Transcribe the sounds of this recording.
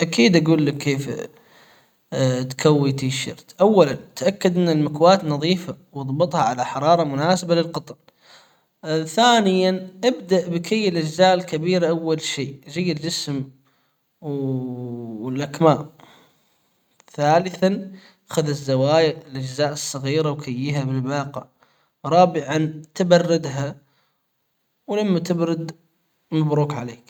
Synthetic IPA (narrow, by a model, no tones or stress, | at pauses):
ʔakiːd̪ʔaɡuːlːakːeːf | t̪kawːit̪iʃɑ̰ɾt̪ʔawːalant̪ʔakːad̪ʔɪnːalmakwaːt̪nɑðˤiːfawɑðˤbɨt̪ˤhɑʕalaħɑɾˤɑːɾˤɑmʊnaːsabalɪlqɑt̪ˤn | θaːnɪjanʔabd̪aʔbɪkajːɪlʔad͡ʒzaːʔɪlkabiːɾaʔawːalʃiːd͡ʒɪjːald͡ʒɪsm | w | ɪlʔakmaːʔ | θaːlɪθan | axaðɪzːawaːjʔɪlʔad͡ʒzaːʔɨsˤːɑɣiːɾawkajːiɦabɪlbɑːqɑ̰ | ɾˤɑːbɪʕant̪abɑrˤːɪd̪ɦa | wlamːat̪ɪbɾɪd̪ | mabɾuːkʕaleːk